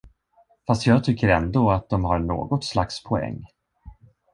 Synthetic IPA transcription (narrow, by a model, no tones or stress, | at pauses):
fast̪jɑːɡt̪ʰʏkːəɾɛnd̪oːat̪̚d̪ɔmɦaɾɳo̰ːɡɔt̪slakspʰɔɛ̰ŋː